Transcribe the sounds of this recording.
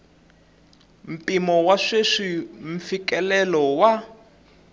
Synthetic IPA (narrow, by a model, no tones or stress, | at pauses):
m̩pimɔwaʂeʂim̩fikɛlɛlɔwa